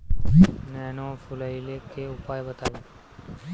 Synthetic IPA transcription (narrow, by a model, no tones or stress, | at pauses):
nɛnofulailekeupajbət̪aʋo